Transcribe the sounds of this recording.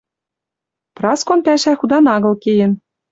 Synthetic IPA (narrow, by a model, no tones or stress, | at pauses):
prɑskonpæʃæxud̪ɑnɑɣɤ̆lkejɘ̆n